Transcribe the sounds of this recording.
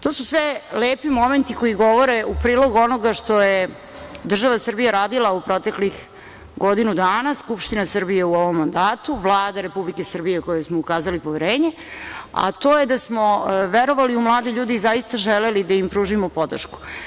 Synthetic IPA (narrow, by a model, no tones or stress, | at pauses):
t̪o̞ːsusʋeleːpimo̞me̞nt̪iko̞jiɡo̞ʋo̞ɾeupɾiːlˠo̞ɡuo̞noɡaʃt̪o̞je | d̪r̩ʒaʋasr̩bijaɾaːd̪ilˠaupɾo̞t̪e̞klix | ɡo̞d̪inud̪aːnaskupʃt̪inasrbije̞uoʋo̞mːand̪aːt̪uʋlˠaːd̪aɾe̞publike̞sərbijekojesmoukaːzalipoʋeɾeːɲe | a̰t̪o̞ːjed̪asmo̞ʋeɾo̞ʋaliumlˠaːd̪iʎuːd̪iːzajist̪aʒelelid̪aimpɾuːʒimopo̞d̪r̰ʃku̥